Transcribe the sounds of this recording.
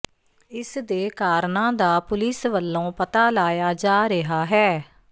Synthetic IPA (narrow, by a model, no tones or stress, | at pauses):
ɪsd̪eːkaːɾnãːd̪aːpʊlɪsʋəlːõːpət̪aːlaːjaːd͡ʒaːɾɪɦaːɦɛː